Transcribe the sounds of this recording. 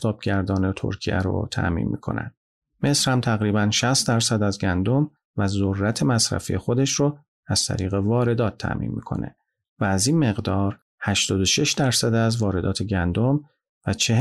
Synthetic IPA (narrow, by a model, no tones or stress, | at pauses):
t̪ʰɒːb̚ɟæɾd̪ɒːnet̪ʰo̰ɾcʰḭæ̰ɾo̰t̪ʰæ̰ʔmḭːnmḭkʰo̞̰næ̰nd̪̥ | me̞sɾ̥hæmt̪ʰæɣɾiːbænʃæst̪̚d̪æɾsæd̪æzɟænd̪o̞m | væzorːæt̪ʰe̞mæsɾæ̰fijexo̞d̪e̞ʃɾo | æz̥t̪ʰæ̰ɾiːɣe̞vɒːɾe̞d̪ɒːt̪ʰːæ̰ʔmḭːnmḭːkʰo̞̰nḛ | væːziːnme̞ɣd̪ɒːɾ | hæʃt̪ɒːd̪oʃeʃd̪æɾsæd̪æzvɒːɾe̞d̪ɒːt̪ʰe̞ɟænd̪o̞m | væt͡ʃʰe